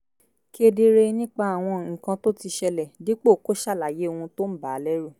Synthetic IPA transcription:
ki˦e˧de˧ɾe˧nĩ˦k͡pa˧a˨w̃ɔ̃˧ŋ̩˨kã˧to˦ti˧ʃɛ˧lɛ˨di˨˦k͡po˦˨ko˦ʃa˦˨la˨je˨˦o˨wũ˧to˦m̩˦ba˨˦lɛ˦ɾu˦˨

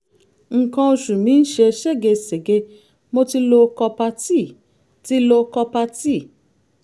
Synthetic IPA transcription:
ŋ̩˨kã˧o˧ʃu˨mĩ˨˦n̩˦ʃe˧ʃe˦˨ɡe˧se˨ɡe˧ | mo˧ti˧lo˧kɔ˧pa˧ti˦˨ | ti˦lo˧kɔ˧pa˧ti˦˨

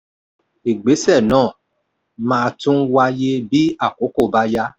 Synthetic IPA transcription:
e˨ɡ͡be˨˦sɛ˦˨nãː˦˨ | mãː˧tũ˦wa˧je˦bi˨˦a˦˨ko˨˦ko˦˨ba˧˦ja˧˦

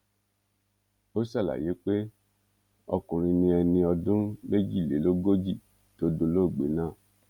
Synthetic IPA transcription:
o˦sa˦˨la̰˨je˨˦k͡pe˦ | ɔ˧kũ˨ɾ̃ĩ˧nĩ˧ɛ˧nĩ˧ɔ˧dũ˦me˦d͡ʒi˦˨le˨˦lo˦ɡo˦d͡ʒi˦˨ | to˨˦do˧lo˦˨ɡ͡bḛ˨˦nãː˦˨

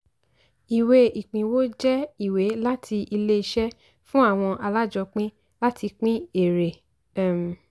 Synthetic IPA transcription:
i˨we˧i˨k͡pĩ˨wo˦d͡ʒɛ˦i˦˨we˨˦la˦tʰi˧ʔi˧le˦i˧ʃɛ˦ | fũ˦a˦˨w̃ɔ̃˧ʔa˧la˦˨d͡ʒɔ˧k͡pĩ˦ | la˦tʰi˧k͡pĩ˦e˨ɾe˨

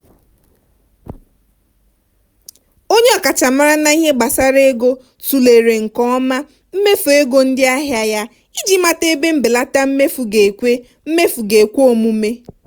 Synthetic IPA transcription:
o˦ɲe˦ɔ˨ka˨t͡ʃa˨ma˦ɾa˦na˦i˦ɦe˦ɡ͡ba˨sa˦ɾe˦ɡo˦ | tu˨le˨ɾe˨ŋ̩˨kɔ˦ɔ˦ma˦ | m̩˦me˦fu˨e˦ɡo˦n̩˦dɪ˦a˦ɦja˦ja˦ | i˦d͡ʒi˦ma˦te˦be˦m̩˦bɪ˨la˦ta˦m̩˦me˦fu˨ɡe˨kʷe˦ | m̩˦me˦fu˨ɡe˨kʷo˦˨mu˦me˦

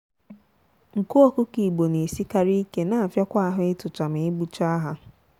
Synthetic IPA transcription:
ŋ̩˨ku˦o˦kʊ˦ki˨ɡ͡bo˨ne˨si˦ka˦ɾi˦ke˦na˨a˨fja˦kʷa˦a˦˨ɦʊ˦ɪ˦tʊ˨t͡ʃa˨mɪ˨ɪ˦bu˦t͡ʃa˦ɦa˦

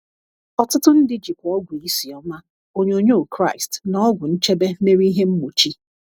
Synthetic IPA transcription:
ɔ˨tʊ˦tʊ˦n̩˦dɪ˦d͡ʒi˨kʷɔ˦ɡʷi˦si˨ɔ˦ma˦ | o˦ɲe˦o˦ɲo˦o˨kɾa˦˨ɪ˨stn˨˦ɔ˦ɡʷʊ˨n̩˦t͡ʃe˦be˦me˦ɾi˦i˦ɦe˦m̩˦mu˨t͡ʃi˦

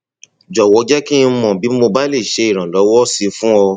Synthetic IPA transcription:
d͡ʒɔ˨wɔ˨˧˦d͡ʒɛ˦ki˦˧˦mɔ̃˨bi˨˦mo˧ba˦le˦˨ʃe˧i˦˨ɾ̃ã˨lɔ˨˦wɔ˦si˧fũ˦ɔ˧

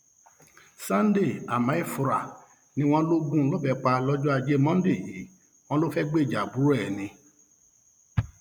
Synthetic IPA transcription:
sã˦n˦de˦˨a˨mã˨˦i˦˨fu˧ɾa˨ | nĩ˧˦w̃ɔ̃˦lo˦ɡũ˦lɔ˦bɛ˧k͡pa˧lɔ˦d͡ʒɔ˦a˧d͡ʒe˦mɔ̃˦n˦de˦˨ji˨˦ | w̃ɔ̃˦lo˦fɛ˦ɡ͡be˦i˨d͡ʒa˨bu˨˦ɾɛ˦˨nĩ˧˦

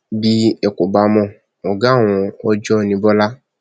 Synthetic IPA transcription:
bi˦ɛ˨ko˨ba˨mɔ̃˧ | ɔ˨ɡã˨˦˨w̃ɔ̃˧ɔ˦d͡ʒɔ˦nĩ˧bɔ˦la˦

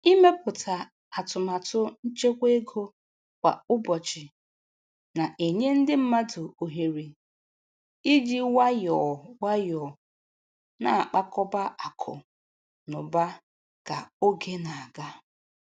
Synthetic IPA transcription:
i˦me˦pʊ˨tʰa˨ | a˨tʊ˨ma˨tʊ˦n̩˦t͡ʃe˦kʷe˦ɡo˦ | kʷa̰˨ʊ˦bɔ˨t͡ʃɪ˨ | na˨ʔe˨ɲe˦n̩˦dɪ˦m̩˦ma˦dʊ˨o˨ɦe˨ɾi˨ | i˦d͡ʒi˦wa˦jɔ˨wa˦jɔ˨ | na˨a˨k͡pa˦kɔ˦ba˦ʔa˨kʰʊ̰˨ | nʊ˨ba˦ | ka˨o˦ɡe˦na˨a˨ɡa˦

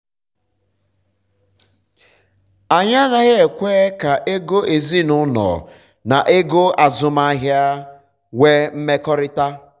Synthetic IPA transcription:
a˨ɲa˦na˨ɣe˦e˨kʷe˦ka˨ʔe˦ɡo˦e˨zi˦nʊ˦nɔ̰˨ | na˨ʔe˦ɡo˦a˨zʊ˨ma˦ɦja˦ | we˦m̩˦me˦kɔ˦ɾɪ˦ta˦

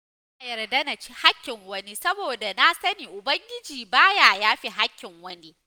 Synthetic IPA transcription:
ʔa˨jɐ˨rdɐ˦na˨t͡ʃi˦ha˦kʲːɪ˨ŋwɐ˦ni˦sɐ˦boː˨da˨na˦sɐ˦niː˨ʔʊ˨bɐ˦ŋɡʲɪ˦d͡ʒiː˨baː˦jaː˨jaː˦ɸi˦ɦa˦kʲːɪ˨ŋwɐ˦ni˦

